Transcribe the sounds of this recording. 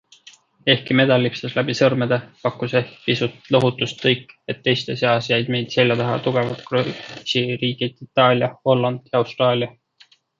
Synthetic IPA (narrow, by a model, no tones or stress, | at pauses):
e̞hkime̞d̪̥ɑlʲːipseslæb̥isɤrmed̪̥epɑkːˑusehkpisut̪lɤɦut̪ːˑust̪kɤjkːˑe̞t̪ːe̞jst̪e̞seɑsjæjd̪̥me̞jd̪̥se̞lʲjɑt̪ɑɦɑ̰t̪uɡ̥e̞vɑt̪krosiɾiːɡ̥id̪̥it̪ˑːɑːlʲjɑho̞lːɑnd̪̥jɑɑwst̪rɑːlʲjɑ